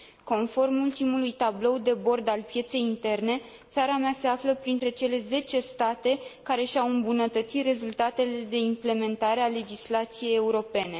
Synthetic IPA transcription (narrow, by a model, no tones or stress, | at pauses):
ko̞nfo̞rmult̪imulujt̪ablo̞wd̪e̞bo̞rd̪alpje̞t̪se̞jint̪e̞rne̞ | t̪saɾamease̞afləpɾint̪ɾe̞t͡ʃe̞le̞ze̞t͡ʃe̞st̪at̪e̞kaɾe̞ʃawɨmbunət̪ət̪sit̪re̞zult̪at̪e̞le̞d̪e̞imple̞me̞nt̪aɾe̞ale̞d͡ʒislat̪sije̞je̞uɾo̞pe̞ne̞